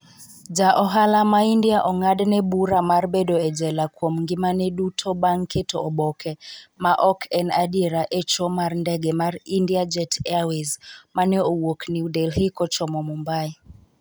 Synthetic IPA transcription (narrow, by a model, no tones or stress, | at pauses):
d͡ʒaʔɔɦalamaindiaʔɔŋadnɛbuɾamarɓɛɗɔɛd͡ʒɛlakwomŋɡimanɛɗutʰɔɓaŋkʰetʰɔɔɓɔkʰɛmaʔɔkʰɛnaɗiɾaʔɛt͡ʃɔmaɾndɛɡɛmaɾindiad͡ʒɛtʰɛawezmanɛɔwokniudɛlɦikɔt͡ʃɔmɔmumbai